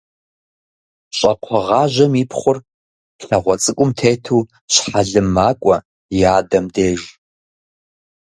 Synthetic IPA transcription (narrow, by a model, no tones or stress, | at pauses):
ɕʼɐqʷʰɔʁɑːʒʷɐmipʰχʷʊr | ɬɐʁʷɔt͡sʼɨkʷʼʊmtʰeːtʰuː | ɕħaɮɨmːaːkʷʼɔ | jaːdɐmdeːʒ